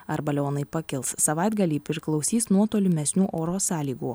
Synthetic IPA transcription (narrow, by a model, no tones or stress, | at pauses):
ɐɾbɐlʲoːnɐɪpɐkʲɪlˠssɐʋɑɪd̪ɡɐlʲiːpʲɾɪɾʲklˠɒʊsʲiːsnuɔt̪oːlʲʊmʲɛsʲnʲuːʔoːɾoːsɑːlʲiːɡuː